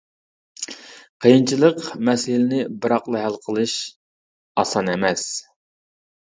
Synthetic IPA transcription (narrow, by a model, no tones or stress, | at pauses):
qʰəjint͡ʃʰilˠəqmɛsɪlɪnɪbɨɾɑqlˠɑɦælˠqʰəlˠɨʃ | ɑsɑnɛmɛs